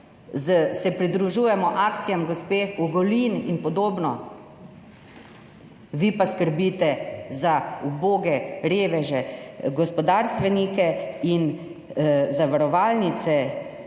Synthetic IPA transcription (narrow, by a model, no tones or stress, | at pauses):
zəsɛpɾid̪ɾuʒuːjɛmɔʔakt̪sijamɡɔspeːuɡɔlininpɔd̪oːbnɔ | ʋiːpaskəɾbiːt̪ɛzauboːɡɛɾeːʋɛʒɛɡɔspɔd̪aːɾst̪ʋɛnikɛin | zaʋaɾɔʋaːlnit̪sɛ